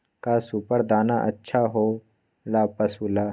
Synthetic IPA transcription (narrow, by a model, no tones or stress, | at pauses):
kasupəɾd̪aːnaʔɐ̰tːʃʰaɦoː | laːpəsuːlaː